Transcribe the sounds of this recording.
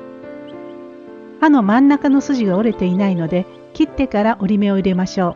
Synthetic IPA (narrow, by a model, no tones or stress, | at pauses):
ano̞mãnːakano̞sɨʑiɡaoɾe̞t̪e̞inaino̞d̪e̞ | kʲit̪ːe̞kaɾaʔo̞ɾʲime̞o̞iɾe̞maɕo̞ː